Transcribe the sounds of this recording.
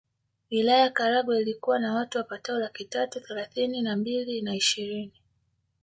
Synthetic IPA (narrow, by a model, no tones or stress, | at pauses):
wilajakaɾaɡwɛilikuwanawatuwapataɔlakitatuθɛlaθininambilinaiʃiɾini